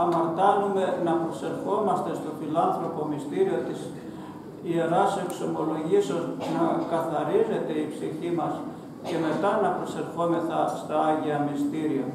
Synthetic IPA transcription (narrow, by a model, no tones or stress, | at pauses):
ɐmɐɾt̪ɐnume̞nɐpɾo̞se̞ɾfo̞mɐst̪e̞st̪o̞filɐnθɾo̞po̞mist̪iɾio̞t̪is | ie̞ɾɐse̞kso̞mo̞lo̞ʝisoznɐkɐθɐɾize̞t̪e̞ipsiçimɐs | ce̞me̞t̪ɐnɐpɾo̞se̞ɾfo̞me̞θɐst̪ɐɐʝiɐmist̪iɾio